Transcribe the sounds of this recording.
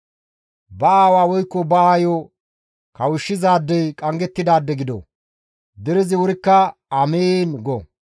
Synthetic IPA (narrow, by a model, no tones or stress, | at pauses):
bɐaːwaːwɔjkːɔbɐajo | kɐwʊʃːɪzaːd̪ːɛjkʼɐŋɡɛt̪ːɪd̪aːd̪ːɛɡɪd̪o̰ | d̪ɛɾɪzɪwʊɾɪkːɐɐmeːnɡɔ